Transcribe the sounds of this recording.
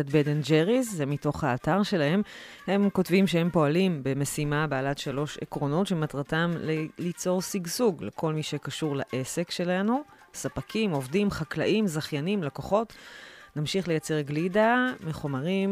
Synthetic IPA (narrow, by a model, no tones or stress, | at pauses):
atbedend͡ʒeʁizzemito̞χhaːtaʁʃe̞lahe̞m | he̞mko̞tvimʃehe̞mpo̞alimbe̞mesimabealatʃalo̞ʃḛkʁo̞no̞tʃematʁatamlelit͡so̞ʁsiɡzuɡlekʰo̞lmiʃekaʃuʁlaʔe̞se̞kʃe̞lanu | sapakʰimo̞vdimχaklaʔimzaχjanimlakoχo̞tnamʃiχle̞jat͡se̞ʁɡlidameχomaʁim